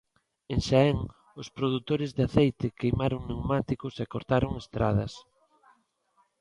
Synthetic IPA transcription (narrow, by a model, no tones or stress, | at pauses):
eŋʃaɛŋ | ospɾoð̞ut̪oɾɪzðeaθejt̪ɪkejmaɾoŋnewmat̪ikʊsekoɾt̪aɾoŋest̪ɾa̰ðɐs